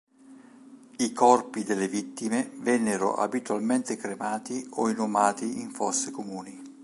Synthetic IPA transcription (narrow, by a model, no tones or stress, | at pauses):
ikɔrpid̪elːevit̪ːimevɛnːeɾo̰ʔa̰bit̪walment̪ekɾemaːt̪ioinʊmaːt̪iiɱfɔsːekomuːni